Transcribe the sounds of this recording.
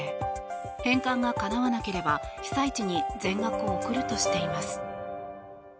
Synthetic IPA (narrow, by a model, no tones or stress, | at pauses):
hẽ̞ŋkãŋɡakanaβanake̞ɾe̞baçi̥sait͡ɕiɲ̟izẽ̞ŋɡakɯ̟o̞ːkɯ̟ɾɯ̟t̪o̞ɕi̥t̪e̞imasɨ̥